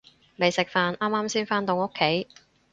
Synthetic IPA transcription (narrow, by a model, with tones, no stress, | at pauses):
me˨˧jsɪ˨k̚faː˧nʔaː˥maː˥msiː˥nfaː˥nt̪o˨˧ŋo˥kʰːe˨˥j